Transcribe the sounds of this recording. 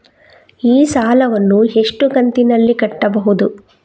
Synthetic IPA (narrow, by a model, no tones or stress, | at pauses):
iːsaːlɐʋɐnːuɦe̞ʂʈukɐnt̪inɐlːikɐʈːɐbɐɦud̪u